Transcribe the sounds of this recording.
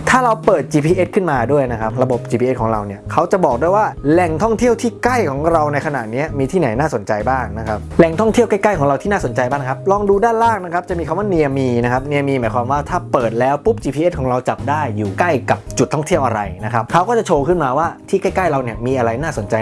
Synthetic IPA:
t̪ʰaː˥˩ɾa˧wpɤː˨˩t̪̚t͡ɕiː˧pʰiː˧ʔe˦˥t̪̚kʰɯ˥˩nmaː˧du˥˩əjna˦˥kʰa˦˥p̚ɾa˧bo˨˩p̚t͡ɕiː˧pʰiː˧e˦˥kʰɔː˩˦ŋɾa̰˧wni˥˩ɐkʰa˦˥wt͡ɕa˨˩bɔː˨˩k̚du˥˩jwaː˥˩lɛ˨˩ŋt̪ʰɔ˥˩ŋt̪ʰi˥˩əwt̪ʰiː˥ka˥˩jkʰɔː˩˦ŋɾa˧wna˧jkʰa˧na̰˨˩t̪̚ni˦˥ɐmiː˧t̪ʰiː˥˩na˩˦jnaː˥˩so˩˦nt͡ɕa˧jbaː˥˩ŋna˦˥kʰa˦˥p̚lɛ˨˩ŋt̪ʰɔ˥˩ŋt̪ʰi˥˩əka˥˩jka˥˩jkʰɔː˩˦ɾa˧wt̪ʰiː˥˩aː˥˩so˩˦nt͡ɕa˧jbaː˥˩n˧kʰa˦˥p̚lɔː˧ŋduː˧daː˥˩nɾaː˥˩ŋna˦˥kʰa˦˥p̚t͡ɕa˨˩miː˧kʰa˧˦mwaː˥˩ni˧ə˧miː˧na˦˥kʰa˦˥p̚ni˧ə˧miː˧maː˩˦jkʰwaː˧mwaː˥˩t̪ʰaː˥˩pɤː˨˩t̪̚lɛː˦˥wpu˦˥p̚t͡ɕiː˧pʰiː˧e˦˥t̚kʰɔː˩˦ŋɾa˧wt͡ɕa˨˩p̚daː˥˩jːuː˨˩ka˥˩jka˨˩p̚t͡ɕu˨˩t̪ʰːɔ˥˩ŋt̪ʰi˥˩əwʔa̰˧ɾa̰˧jna˦˥kʰa˦˥p̚kʰa˦˥wkɔː˥˩t͡ɕa˨˩t͡ɕʰoː˧kʰɯ˥˩nmaː˧waː˥˩t̪ʰiː˥˩ka˥˩jka˥˩jɾa˧wni˥˩ɐmiː˧ʔa˧ɾa˧jnaː˥˩so˩˦nt͡ɕa˧j

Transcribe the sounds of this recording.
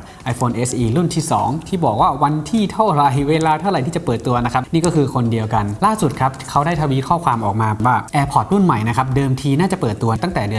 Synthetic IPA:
ʔa˧jfʰoː˧nʔe˦˥sʔiː˧ɾu˥˩nt̪ʰiː˥˩sɔ̰ː˩˦ŋt̪ʰiː˥˩bɔː˨˩k̚waː˥˩wa˧nt̪ʰiː˥˩t̪ʰa˥˩wɾa˨˩jweː˧laː˧t̪ʰa˥˩wɾa˨˩jt̪iː˥˩t͡ɕa˨˩pɤː˨˩t̪ːu˧ɐna˦˥kʰa˦˥p̚niː˥˩kɔ˥˩kʰɯː˧kʰo˧ndi˧əwka˧nlaː˥˩su˨˩t̪̚kʰa˦˥p̚kʰa˦˥wdaː˥˩jt̪ʰa˧wiː˦˥kʰɔː˥˩kʰwaː˧mʔɔː˨˩k̚maː˧waː˥˩ʔɛː˧pʰɔ˨˩t̪̚ɾu˥˩nma˨˩jna˦˥kʰa˦˥p̚dɤː˧mt̪ʰiː˧naː˥˩t͡ɕa˨˩pɤː˨˩t̪ːu˧ɐt̪a˥˩ŋt̪ɛː˨˩dɯ˧ə

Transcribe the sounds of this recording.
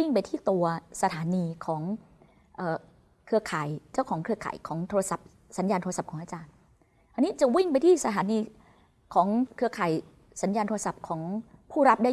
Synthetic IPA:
i˥˩ŋpa˧jt̪ʰiː˥˩t̪u˧ɐsa˧t̪ʰaː˨˩˦niː˧kʰɔː˩˦ŋ | ʔɤː˨˩ | kʰɯ˧ɐkʰaː˨˩˦jt͡ɕa˥˩wkʰɔː˩˦ŋkʰɯ˧ɐkʰa̰ː˩jkʰɔː˩˦ŋt̪ʰoː˧ɾa˧sa˨˩p̚ | sa˩˦njaː˧nt̪ʰo˧sa˨˩kʰɔː˩˦ʔaː˧t͡ɕaː˧n | ʔa˧ni˦˥t͡ɕa˨˩wi˥˩ŋp̬a˧jt̪ʰiː˥˩sa˧t̪ʰaː˨˩˦niː˧ | kʰɔː˩˦ŋkʰɯ˧ɐkʰaː˩˦j | sa˩˦njaː˧nt̪ʰo˧a˧sa˨˩p̚kʰɔː˩˦ŋpʰuː˥˩ɾa˦˥p̚da˥˩

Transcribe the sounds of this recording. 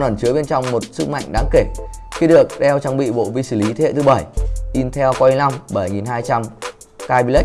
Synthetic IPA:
nʔə˨˧˩nt͡ɕɨ˨˦ɓe˧nt͡ɕɔ˧wŋ͡mmo˨˩t̚sɨ˦˥k̚ma̰˧˨jŋ̟ɗaː˨˦ŋke˧˩xi˧ɗɨ˨˩ək̚ɗɛ˧wt͡ɕa˨˧˩ŋɓḭ˧˨ɓo̰˧˨vi˧sɨ˧˩li˨˦t̪ʰe˨˦ḛ˧˨t̪ɨ˨˦ɓə˧˩jʔi˧nt̪ʰɛ˧wka˧i˧na˧mɓə˧˩jŋi˨˩nɦaː˧jt͡ɕa˧m | kaː˧jɓi˧lə˦˥

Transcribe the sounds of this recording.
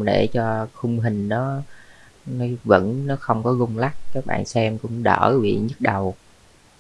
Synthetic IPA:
ɗe˧˩t͡ɕɔ˧xʊ˧ŋ͡mɦï˨˩ŋ̟nɔ˨˦ | nɔ˨˦və̰˧˥nnɔ˨˦xə˧wŋ͡mkɔ˨˦ɣʊ˧wŋ͡mla˦˥k̚kaː˦˥k̚ɓa̰ː˧˨nsɛ˧mkʊ̰˧˥ŋ͡mɗəː˧˩vḭ˧˨ɲɨ˦˥t̚ɗə˨˩w

